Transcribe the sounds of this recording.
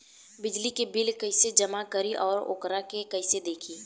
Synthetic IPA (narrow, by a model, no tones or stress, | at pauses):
bɪd͡ʒlikebɪlkɐɪsed͡ʒəmakəɾiʔɔːɾo̰ːkɾakekɐɪsed̪eːkʰiː